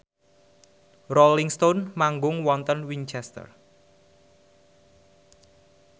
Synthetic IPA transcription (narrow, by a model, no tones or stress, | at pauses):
roliŋst̪onmaŋɡʊŋwɔnt̪ənwiɲt͡ʃɛst̪ə̰r